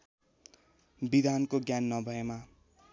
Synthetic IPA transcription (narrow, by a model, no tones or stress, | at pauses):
bid̪ʱankoɡjanːʌbʱʌema